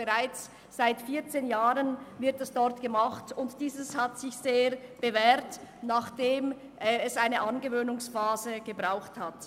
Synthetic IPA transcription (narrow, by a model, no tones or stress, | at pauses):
əʁaɪt͡s | z̥aɪtfiːɐt͡seːnjaːʁənvɪɐtɛsd̥ɔʁtɡ̥əmaχtʊntd̥iːzəshatsɪçz̥eːɐb̥əvɛːɾtnaːχd̥eːm | ʔɛsʔaɪnəʔɑnɡəvøːnʊŋsfaːzəɡ̥əbʁaʊxthat